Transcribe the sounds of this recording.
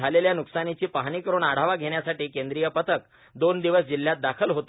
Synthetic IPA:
aleljanuksanit͡ɕiːpaɦanikəɾuːɳaɽ̤aʋaɡʱeɳjasaʈiːkend̪ɾijəpət̪ʰək̚ | d̪ond̪iʋəsd͡ʑiljat̪̚d̪akʰəlɦot̪

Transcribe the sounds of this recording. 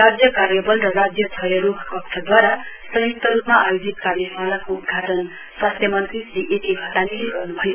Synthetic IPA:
rad͡zjʌkaɾjʌbʌlrʌɾad͡zjʌt͡sʰʌjʌɾukʰkʌkt̪ʰʌd̪waɾasʌɦjuk̚t̪ʌɾupmaʔajud͡zit̪karjʌsmalakout̪ɡʱaʈʌn | swast̪ʰjʌmʌnt̪risiʔeʈʰiɦʌt̪aniiɡʌrnubʱʌjo

